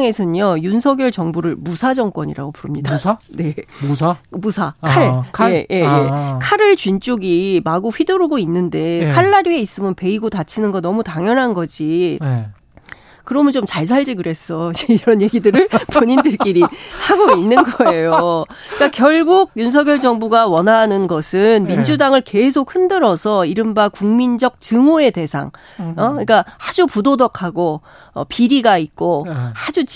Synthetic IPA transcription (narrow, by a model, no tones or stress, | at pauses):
ŋe̞sʰɯnjʌjunsʰʌɡjʌɭt͡ɕʌŋbuɾɯɭmusʰad͡ʑʌŋk͈wʌɲḭɾa̰ɡopuɾɯmɲidane̞ | musʰakʰaɭʰje̞je̞jekʰaɾɯɭt͡ɕɥint͡ɕ͈oɡimaɡoɸɥidoɾoɡoinːɯnde̞kʰaɭːaɾie̞is͈ɯmjʌnpe̞iɡotat͡ɕʰinɯnɡʌnʌmutaŋjʌnɦanɡʌd͡ʑi | kɯɾʌmɯnt͡ɕomt͡ɕaɭs̬ʰaɭd͡ʑiɡɯɾe̞s͈ʌeiɾʌnje̞ɡidɯɾɯɭpoɲindɯɭk͈iɾihaɡoinːɯnɡʌe̞jo | k͈akjʌɭɡuɡ̚juns̬ʰʌɡjʌɭd͡ʑʌŋbuɡawʌnanɯnɡʌsʰɯnmind͡ʑudaŋɯɭke̞s̬ʰok̚hɯndɯɾʌsʰʌiɾɯmbakuŋmind͡ʑʌk̚t͡ɕɯŋoe̞te̞sʰa̰ŋ | ʌɲik͈ahad͡ʑupudodʌkʰaɡo | ʌ̰piɾiɡait̚k͈ohad͡ʑu